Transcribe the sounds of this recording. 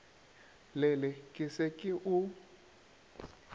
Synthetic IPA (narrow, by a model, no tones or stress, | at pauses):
lɛlɛkʼɪsɛkʼɪʔu